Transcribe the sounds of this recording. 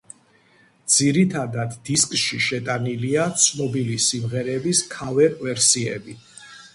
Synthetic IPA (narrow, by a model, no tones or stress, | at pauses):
d̪z̥iɾit̪ʰad̪ad̪ːiskʼʃiʃɛt̪ʼaniliat̪sʰnɔbilisimʁɛɾɛbiskʰavɛkʼvɛɾsiɛ̰bi